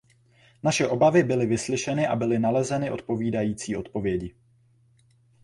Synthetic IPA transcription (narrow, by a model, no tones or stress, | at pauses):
naʃɛʔo̞bavɪbɪlɪvɪslɪʃɛnɪʔabɪlɪnalɛzɛnɪʔo̞̰t̪̚po̞viːdajiːt͡siːʔo̞t̪̚po̞vjɛɟɪ